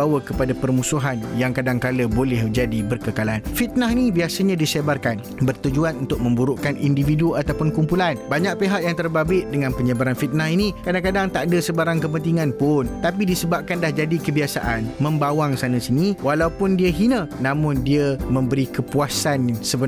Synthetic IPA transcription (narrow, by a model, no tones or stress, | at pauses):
awəkəpadapərmũsuɦanjaŋkadaŋkaləbolɛhd͡ʒadibərkəkalanfit̪̚naɦinibiasaɲãdisebarkan | bərt̪ud͡ʒuanunt̪ʊk̚mə̃mbuɾuʔkanindifiduat̪awpʊnkumpulanbaɲak̚peɦaʔjaŋt̪ərbabɪʔ̪̚dəŋãnpəɲəbaɾanfit̪̚naɦinĩkadaŋkadaŋt̪aʔdəsəbaɾaŋkəp̬ənt̪iŋãnpʊnt̪apidisəbap̚kanlahd͡ʒadikəbiasa̰ʔanmə̃mbawaŋsanə̃siniwalaupʊndiəɦinə̃nãmʊ̃ndiəmə̃mbəɾikəpuasansəbə